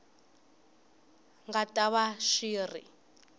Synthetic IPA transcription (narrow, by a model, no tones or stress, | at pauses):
ŋɡatʼaβaʃiːrḭ